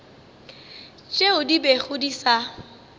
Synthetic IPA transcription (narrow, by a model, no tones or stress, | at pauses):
t͡ʃʼeʊdibeχʊdisa